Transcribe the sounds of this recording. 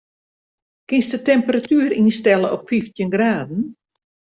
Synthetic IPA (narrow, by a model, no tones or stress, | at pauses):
kɪnstətɛmpəratʰyːəɾinstɛləɔpfiftjənɡraːdn̩